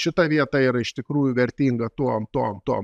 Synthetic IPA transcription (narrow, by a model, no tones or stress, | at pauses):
ʃʲɪt̪ɐʋʲiɛt̪ɐiːɾɐɪʃt̪ʲɪkɾuːjʊʋʲɛɾʲt̪ʲiːŋɡɐt̪uɔmt̪uɔmt̪uɔm